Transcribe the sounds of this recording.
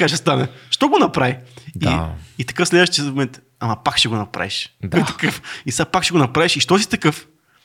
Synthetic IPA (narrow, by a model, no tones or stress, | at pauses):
kaʃɛst̪anɛʃt̪ɔɡonɐpɾavidiit̪ɐ̥kɤfslɛd̪ɛʃt͡ʃɛzomɛnt̪ | amɐpakʃɛɡonɐpɾa̰viʃd̪ɔt̪ɐkəfisapakʃɛɡonɐpɾaviʃiʃt̪ɔs̬i̥t̪ɐkɤf